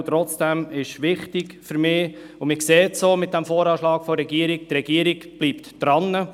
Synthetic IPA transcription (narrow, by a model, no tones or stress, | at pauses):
t̪ɾɔt͡sd̥ɛmɪʃʋɪχtɪɡfyɾmɪː | ʊmɪkseːtsoːmɪt̚d̥æmfoːɾɑːʃlɑːkfɔɾːɛɡiːəɾik̚trɛɡiəɾiɡb̥liːptd̥ɾɑnːə